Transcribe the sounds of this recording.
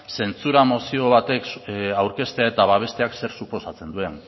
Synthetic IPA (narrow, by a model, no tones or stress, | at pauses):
se̞nt͡suɾamo̞sio̞β̞at̪e̞kawɾke̞st̪e̞ae̞t̪aβaβ̞e̞st̪eakse̞ɾsupo̞sat͡se̞nd̪ue̞n